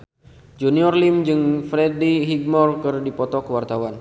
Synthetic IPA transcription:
d͡ʒuniɔrlimd͡ʒɨŋfɾɛdiɦiɡ̚mɔrkɨrdipɔt̪ɔkəwart̪awan

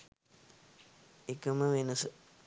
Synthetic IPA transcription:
ekəməʋenəsə

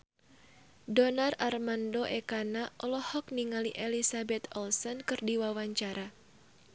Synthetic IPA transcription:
dɔnararmandoʔɛkanaʔɔlɔhɔk̚niŋaliʔɛlisabɛt̪ɔlsɔnkɨrdiwawaɲt͡ʃaɾa

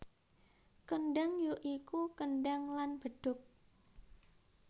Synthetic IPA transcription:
kənɖaŋjoʔikukənɖaŋlanb̥əɖ̪̥ʊ̤k̚

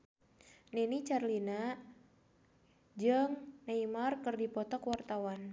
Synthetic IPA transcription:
nɛnit͡ʃarlina | d͡ʒɨŋnaimarkɨrdipɔt̪ɔkwart̪awan

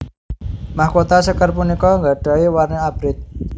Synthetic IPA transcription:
mahkot̪asəkərpunikɔŋɡaɖ̥a̤iwarneab̥ɾɪt̪̚

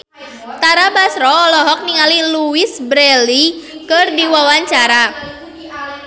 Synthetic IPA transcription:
t̪aɾabasɾɔːlɔɦɔk̚niŋaliluɪsbɾɛlikɨrdiwawaɲt͡ʃaɾa

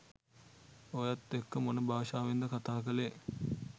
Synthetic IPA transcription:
ojat̪ːekːəmonəbaːʃaːʋend̪əkat̪aːkəle

